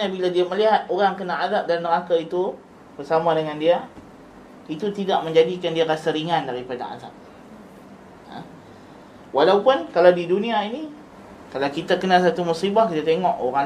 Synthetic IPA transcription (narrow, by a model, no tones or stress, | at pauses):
ɲabiladiaməliɦat̪̚oɾaŋkənaadap̚danməɾakait̪u | b̥ərsamadəŋandia | it̪ut̪idaʔməɲd͡ʒadikandiaɾasəɾiŋandaɾipada̰a̰za̰p̚ | a̰ | walawpʊnkalawdiduniaini | kalawkit̪akənas̬at̪umusibahkit̪at̪eŋɔʔoɾaŋ